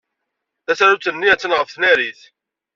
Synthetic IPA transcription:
θæsæɾut͡sːənːiæt͡sːənʁəfθnæɾiθ

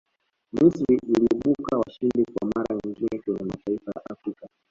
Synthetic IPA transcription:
misɾiʔːliɛɓukawaʃindikwa̰maɾaɲiŋɡinɛkɔɲɛmataifaja̰ʔafɾika

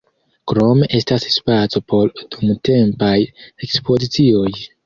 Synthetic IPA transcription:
kɾo̞me̞ʔe̞stasspat͡so̞po̞ɾdumte̞mpaje̞kspo̞zit͡sio̞j

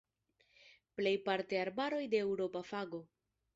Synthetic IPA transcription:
ple̞jpaɾte̞aɾbaɾo̞jde̞ːwɾo̞pafaɡo̞

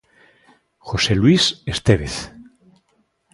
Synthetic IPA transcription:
xoselwisest̪eβeθ

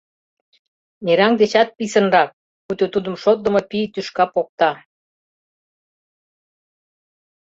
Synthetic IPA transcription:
neɾɑŋd̪et͡ɕɑt̪̚pisə̆nrɑk̚ | kut̪ʲot̪ud̪ə̆mʃot̪̚d̪ə̆mopit̪yʃkɑpok̚t̪ɑ

